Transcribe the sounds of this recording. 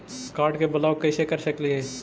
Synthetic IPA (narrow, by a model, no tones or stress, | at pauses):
kaːɾɖkebəlaːwkɛːsekəɾʃəkliɦɛː